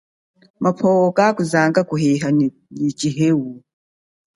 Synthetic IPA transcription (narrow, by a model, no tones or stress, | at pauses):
mapʰɔːwɔkakuzaːŋɡakuhɛɦan | nit͡ʃʼiɦewu